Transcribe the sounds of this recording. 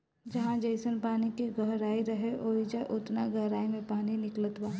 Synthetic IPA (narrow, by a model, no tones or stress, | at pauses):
d͡ʒɐɦãd͡ʒɐɪsənpaːnikeɡɐɦɾaːiɾɐɦeʔoːid͡ʒaʔʊt̪naɡɐɦɾaːimẽpaːninɪklət̪waː